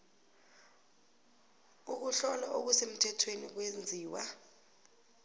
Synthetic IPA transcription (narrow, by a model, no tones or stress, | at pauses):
uk̬uɬɔlaʔok̬usem̩tʰɛtʰwenik̬wend͡zʱiːwa̰